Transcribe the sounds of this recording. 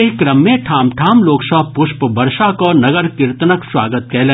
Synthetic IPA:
eɦkɾɐmːẽʈʰaːmʈʰaːmloːksɐpʊʃpbɐɾʃakɔnɐɡəɾkɪɾt̪nəkswa̰ːɡət̪̚kɛɦle

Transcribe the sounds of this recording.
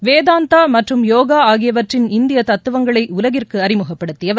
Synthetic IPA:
ʋeːðaːnt̪aːmɐʈrɯmjoːɣaːaːɣɪjɐʋɐʈrɪnɪnd̪ɪjɐt̪ɐt̪ːɯʋɐŋɡɐɭɐɪʊlɐɣɪrkɯɐɾɪmɯɣɐppːɐɽɯt̪ːɪjɐ

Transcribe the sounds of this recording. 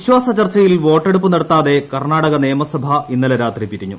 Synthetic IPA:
iɕwaːsɐt͡ɕɐrt͡ɕːɐjilʋo̞ːʈːeɽupːunɐɽɐt̪ːaːðe̞kɐrɳaːɽɐɣɐnejɐmɐsɐbʱɐinːɐlɐɾaːt̪ripiɾiɲːu

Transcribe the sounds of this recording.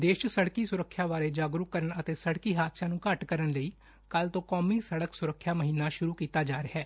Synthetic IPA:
d̪eːʃsəɽkiːsʊɾəkʰːjaːʋaːɾeːd͡ʒaːɡɾʊkːəɾənət̪eːsəɽkiːɦaːd̪sãːnũːkəʈkəɾənləiː | kəlt̪õːkɔːmiːsəɽəksʊɾəkʰːjaːməɦiːnːaːʃʊɾuːkiːt̪aːd͡ʒaːɾɪɦɛː

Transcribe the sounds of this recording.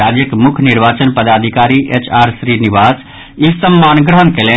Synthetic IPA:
ad͡ʒjəkemukʰniɾʋat͡ʃənpəd̪ad̪ʱikaɾiʔet͡ʃʰaɾsɾiniʋas | isəmːanɡɾəɦənkele

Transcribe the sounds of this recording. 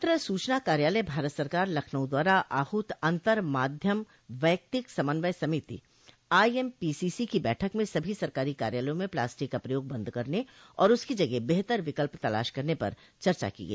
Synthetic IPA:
t̪ɾəsuːt͡ʃnakaːɾjaːləbʱaːɾət̪sɐɾkaːɾlɐkʰnəʊ̃d̪waːɾaʔaːhʊt̪ɐ̃nt̪əɾmaːd̪ʱjəm | ʋɛːk̚t̪ɪksɐmənʋəjsɐmɪt̪ḭ | aːiɛmpiːsisikibɛːʈʰəkmẽsɐbʱisɐɾkaːɾika̰ːɾjaːləjõmẽpla̰ːsʈɪkɐpɾəjoːɡ̚bɐ̃nd̪kɐɾne | ɔ̰ːɾʊskid͡ʒɐɡɛbeɦt̪əɾʋɪkəlpt̪ɐla̰ːʃkɐɾnepɐ̰ɾ | t͡ʃɐɾt͡ʃa̰kḭɡɐ̰iː

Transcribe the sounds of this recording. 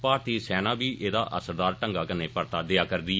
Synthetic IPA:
paːɾt̪iːsɛːnaːbiːʔeːd̪a̰ːʔəsəɾd̪aːɾʈəŋɡaːkɪneːpəɾt̪aːd̪ɪaːkəɾd̪iː

